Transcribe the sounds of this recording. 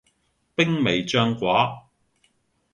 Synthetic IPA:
pɪ˥ŋme˨˩jt͡ʃœː˥ŋkʷaː˨˥

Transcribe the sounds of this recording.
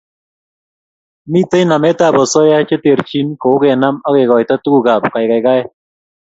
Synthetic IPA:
mi˦te˦na˨mɛ˦ta˦˨bɔ˨sɔ˦ja˦t͡ʃe˦te˨ɾt͡ʃi˦nko˨ʊ˦ɡɛ˨na˦mɔ˦ɣɛ˨ɡɔ˨jta˦tu˦ku˨ɡa˨pka˨jka˨jka˦ɛ˦

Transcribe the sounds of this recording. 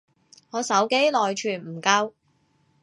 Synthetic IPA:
ŋɔː˨˧sɐ˨˥wke˨˥jlɔː˨jt͡ʃʰyː˨˩nm̩˨˩kɐ˧w

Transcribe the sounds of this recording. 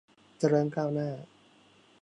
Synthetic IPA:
t͡ɕa˧ɾɤː˧nkaː˥˩wnaː˥˩

